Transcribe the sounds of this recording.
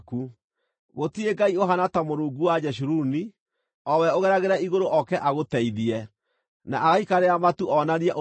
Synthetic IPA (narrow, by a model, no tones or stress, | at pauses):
ku | ɣotieɡaioɦanatamoɾuːŋɡuwad͡ʒɛʃ̬uɾuni | ɔwɛoɣɛɾaɣeɾaiɣoɾoʔɔkɛʔaɣotɛiðiɛ | naʔaɣaikaɾeamatuʔɔnaɾiɛʔo